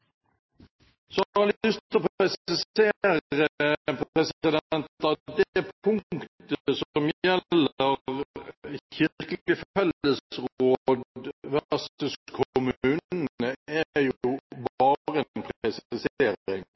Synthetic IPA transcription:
sɔɑlʏstt̪ɔpɛsɪseːɾɾəəpɾɛsɪd̪ɛnt̪ɑd̪ɛpʰʊŋkt̪əsɔmjɛllːəʁ | çɪɾkəlɪəfɛləsəʁoːd̪ʋæʁsəskʰʊmʉːnəæjʊbɑːɾəɛnpʰɾɛsɪseːɾɪŋ

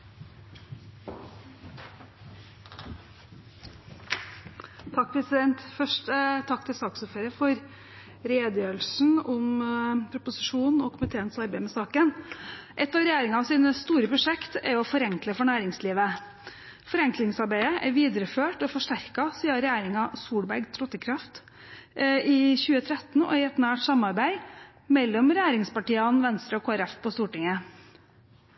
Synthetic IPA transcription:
t̪ʰɑk̚ːpʰɾɛsɪd̪ɛnt̪fœʂʈt̪ʰɑkːt̪ʰɪlsɑːksɔfəɾəfɔɾ | ɾeːd̪əjøːlsn̩ɔmpʰɾʊpʊsɪʂuːnɔkʰʊmɪt̪ʰeːənsɑɾbæɪmɛsɑːkənʔɛt̪ːɑːʋɾɛjæːɾɪŋɑɑʋsiːnəst̪uːɾəpʰɾʊʂɛkt̪ɛ̰ɾɔfɔɾɛŋkləfɔɳæːɾɪŋsliːʋə | fɔɾɛŋklɪŋsɑɾbæɪəʔæɾʋiːd̪əɾəføːʈɔfɔʂʈæɾkɑsiːɑɾɛjæːɾɪŋɑsuːbæɾɡt̪ʰɾɔt̪ːəkʰɾɑft̪ | ɪçʉːət̪ʰɾɛt̪n̩ɔ̰ɪɛt̪næːʈsɑmɑɾbæɪ | mɛlːɔmɾɛjæːɾɪŋspɑʈiːɑnʋɛnst̪ɾəɔkʰoːæɾɛfpʰɔst̪uːʈɪŋə

